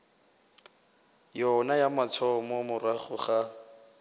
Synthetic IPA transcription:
jɔnajamat͡sʰɔmɔmʊraχʊχa

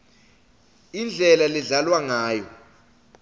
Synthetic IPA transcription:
ind͡ɮʱɛlaliɮalwaŋaːjɔ

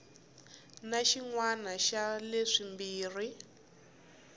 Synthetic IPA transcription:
naʃiŋwanaʃaleʂimbiːri

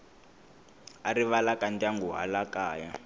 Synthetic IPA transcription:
aɾiβalakʼandaŋɡuɦa̰lakaːja

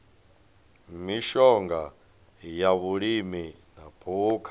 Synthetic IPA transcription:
miʃɔŋɡa | jaβuɺimi | napʰuːkʰḁ

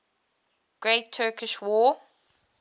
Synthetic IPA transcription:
ɡ̥ɹeɪtʰɜːkʰɪʃwɔː

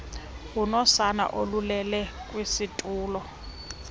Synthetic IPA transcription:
unɔsana̰ʔolulɛlɛkʼwisitʼuːlɔ

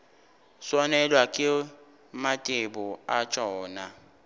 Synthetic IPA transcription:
swɔnɛlwakʼɪ | matʼɪbʊat͡ʃʼɔːna

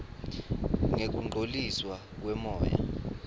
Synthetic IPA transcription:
ŋek̬ʼuŋ͡ǃʱoliswa | k̬wɛmɔːja̰

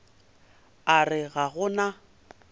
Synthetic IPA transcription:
arɪɣaɣʊna

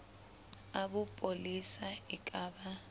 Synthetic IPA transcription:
aɓupʼolisaikʼaːɓa

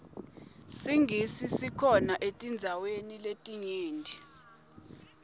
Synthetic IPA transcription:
siŋɡʱisisikʰɔnaʔetʼind͡zʱaweniletʼiɲeːndʱi

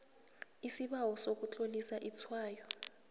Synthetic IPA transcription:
isiɓawɔsok̬ut͡ɬʼolisaʔit͡sʰwaːjɔ

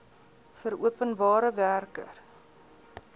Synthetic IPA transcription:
fəɾuəpənbɑːɾəværkə̰r

